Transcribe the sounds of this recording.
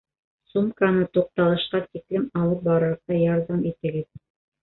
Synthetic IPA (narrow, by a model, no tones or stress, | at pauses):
sumkanɤt̪uq̚t̪ɑlˠɤ̆ʃqɑt̪iklɘmɑlˠɤp̚bɑɾɤ̆ɾɤqt̪ɑjɑɾðɑmit̪ɘ̆ɡɘð